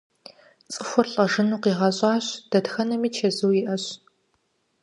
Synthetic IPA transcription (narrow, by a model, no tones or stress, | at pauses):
t͡sʼɨxʷʊrɬʼɐʒɨnuːqiːʁɐɕʼɑːɕd̥ɐdxɐnɐmiːt͡ʃʰɐzɨwjɪʔɐɕ